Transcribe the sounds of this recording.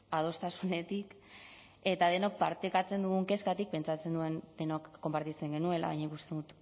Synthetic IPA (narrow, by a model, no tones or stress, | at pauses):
að̞o̞st̪asune̞t̪ik | e̞t̪að̞e̞nok̚paɾt̪ekat͡se̞nd̪uɣuŋke̞skat̪ik̚pe̞nt͡sat͡send̪ue̞nd̪e̞nokːo̞mpaɾt̪it͡se̞ŋɡe̞nue̞la̰ɣa̰jɲaikust̪eðut̪